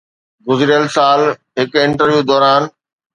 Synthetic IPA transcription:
ɡʊzɾijəlsaːl | ɦɪkɪ̃ɳʈəɾʋjuːd̪ɔːɾaːn

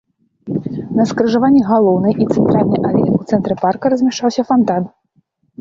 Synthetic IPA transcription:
nɐskɾɨʐavanʲːɛɣalˠɔwnɨjʔit̪sɛnt̪ɾalʲnɨjʔalʲɛnut̪sɛnt̪ɾɨparkɐɾɐzʲmʲɛʂt͡ʂawsʲɐfant̪an

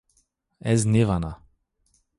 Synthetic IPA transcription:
ɛznʲevana

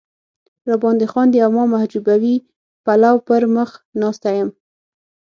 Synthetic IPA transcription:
ɾabɑnd̪əxɑnd̪əamɑmahd͡ʒubawi | palawpəɾməxnɑst̪ajəm

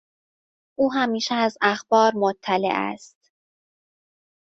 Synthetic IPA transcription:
ʔuːɦæmiːʃɛæzæxb̥ɒːɾmot̪ʰːælḛʔæ̰st̪

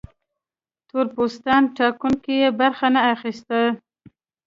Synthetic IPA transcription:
t̪oɾpost̪ɑnʈɑkuŋkijebaɾxanaːxist̪a

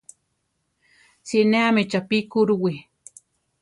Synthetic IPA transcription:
t͡sineamet͡ʃapikuɾuwi

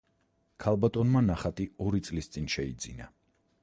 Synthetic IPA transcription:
kʰalˠbat̪ʼɔnmanaχat̪ʼiɔɾit̪sʼlist̪sʼinʃɛid̪zḭna̰

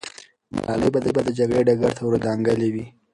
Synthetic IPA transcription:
ma̰ɑ̰ləjbad̪əjbad̪əd͡ʒaɡɽeɖaɡaɾt̪ʰawɾəd̪ɑŋɡəlewi

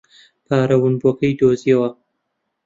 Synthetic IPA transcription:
pʰaːɾɐwɨnbuɐkɐjd̪oːzijɐwɐ

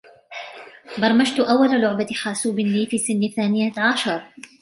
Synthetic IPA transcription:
bɑɾˤmad͡ʒt̪ʊʔawːalalʊʕbaxaːsuːbɪnːiːfiːsɪnːθaːnɪjaʕaʃɑɾˤ

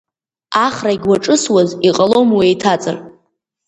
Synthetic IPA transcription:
aχraiɡʲwaʈ͡ʂʼɨswaziqʼalo̞mwiejtʰat͡sʼɨ̰r

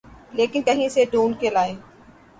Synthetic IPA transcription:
leːkɪnkɐɦĩseɖoːnkelaːẽː

